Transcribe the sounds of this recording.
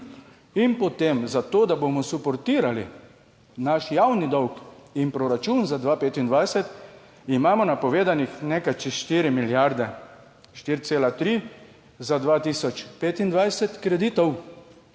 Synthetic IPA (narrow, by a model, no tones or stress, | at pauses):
inpɔt̪emzat̪oːd̪abomɔsupɔɾt̪iːɾalḭ | naʃjawnid̪ɔwkinpɾɔɾat͡ʃunzad̪ʋaːpeːt̪ind̪ʋajsɛt̪ | imaːmɔnapɔʋeːd̪anixnekat͡ʃiʃt̪iːɾimiljaɾd̪ɛ | ʃt̪iːɾt̪seːlat̪ɾi | zad̪ʋaːt̪iːsɔt͡ʃpeːt̪ind̪ʋajsɛt̪kɾɛd̪iːt̪ɔw